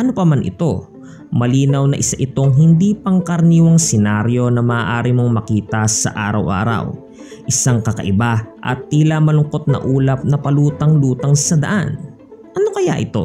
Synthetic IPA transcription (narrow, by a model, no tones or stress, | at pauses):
ʔɐnopɐmanʔɪ̰t̪o̞ | mɐliːnɐwnɐʔɪsaʔɪt̪o̞ŋɦɪnd̪iːpɐŋkɐɾniːwɐŋsɪnaɾjo̞nɐmɐːʔaːɾimo̞ŋmɐkiːt̪ɐsɐ̰ʔaːɾɐ̰wʔa̰ːɾɐ̰w | ʔɪsaŋkɐkɐ̰ʔɪbaʔɐ̰t̪ːiːlɐmɐlʊŋko̞t̪̚nɐ̰ʔuːlɐp̚nɐpɐluːt̪ɐŋluːt̪ɐŋsɐd̪ɐ̰ʔan | ʔɐnokɐjaʔɪt̪o̞̰